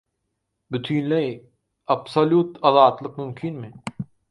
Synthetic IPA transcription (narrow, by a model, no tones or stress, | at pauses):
bɪt̪ʰiːnlɐi | ɐbsɐluːt̪ɐzaːt̪lək̚mʊmkʰinmẽ